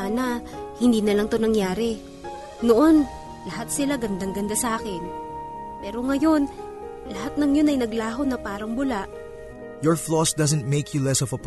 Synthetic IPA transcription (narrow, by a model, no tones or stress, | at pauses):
anɐhɪnd̪iːnɐlɐŋt̪onɐŋjaːɾɛ | noʔon | lɐhat̪̚sɪlaɡɐnd̪aŋɡɐnd̪asɐʔaːkɪn | pɛːɾo̞ŋɐjo̞n | lɐhat̪̚nɐŋjo̞nɐjnɐɡlaːɦonɐpaːɾɐŋbʊlaʔ | jɔɹflɔsd̪ɐzɛ̃nt̪̚meɪkʰjulɛsɔvɐp